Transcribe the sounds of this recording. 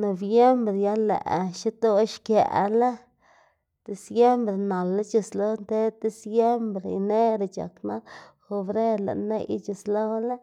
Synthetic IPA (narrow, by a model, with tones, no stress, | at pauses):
no˨bje˦mbɾe˨ja˦lːḛ˨ʔʃi˦t̪o˦ʃkja̰˨ʔla˦ | d̪̥e˨sje˦mbɾe˨na˨lːa˦t͡ʃi˨slo˦nt̪e˦d̪e˧sje˦mbɾe˨ne˦ɾa˨t͡ʃa̰˨kna˦lxo˧bɾe˦la̰˨nḛ˦jt͡ʃi˨slo˦la˦